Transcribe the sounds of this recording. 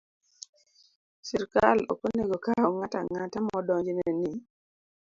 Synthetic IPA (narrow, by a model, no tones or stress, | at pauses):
siɾkalɔ̰koneɡokaɔŋataŋatamɔdɔɲd͡ʒinɛni